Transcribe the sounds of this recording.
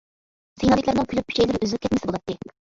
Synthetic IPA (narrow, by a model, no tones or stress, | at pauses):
sejnɑd̪ɪkʲlʲæɾnɨŋkʲʰylyp̚pʰːy̥ʃɛjlɪɾɪøzɪlyp̚ʲkʲʰɛt̪mɪsɪbolˠɑt̪ːɨɪ